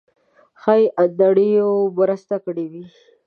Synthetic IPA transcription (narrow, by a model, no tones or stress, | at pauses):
xajʔad̪aɽijobəɾəst̪akɽewi